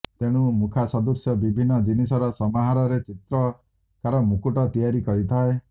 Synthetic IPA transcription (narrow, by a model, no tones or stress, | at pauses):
t̪eɽ̃umukʰasɔd̪ɔsjɔbibʱinːɔd͡ʒinisɔɾɔsɔmaɦaɾɔɾet͡ʃit̪ɾɔ | kaɾɔmukuʈɔt̪ijaɾikɔɾit̪ʰae